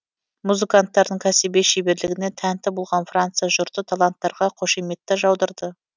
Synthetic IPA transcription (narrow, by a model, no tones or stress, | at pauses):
muzɨkant̪ːɑɾd̪əɴkʲʰæsibe̞ʃejbe̞ɾlɪɡʲɪne̞t̪ʰænt̪ɪbolˠʁɑnfrant̪sɨjaʒʊɾt̪ət̪ʰalˠant̪ːɑɾʁɑqʰo̞ʃeme̞t̪ːɪʒɑwd̪əɾd̪ə